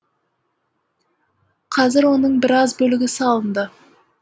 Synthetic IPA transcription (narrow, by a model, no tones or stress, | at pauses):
qʰɑzɪɾwo̞nəɴbɪɾɑzbɵlɪɡʲɪsɑlˠənd̪ə